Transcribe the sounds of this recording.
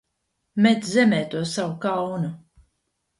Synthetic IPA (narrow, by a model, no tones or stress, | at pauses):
met̪zɛmɛːt̪uɔsawukawnu